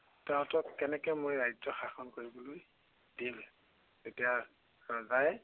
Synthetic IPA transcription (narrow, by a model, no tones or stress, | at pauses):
tɛʊ̃tɔkkɛnɛkɛmojɹajzɔxaxɔnkoɹiboloj | dil | tetija | ɹazaj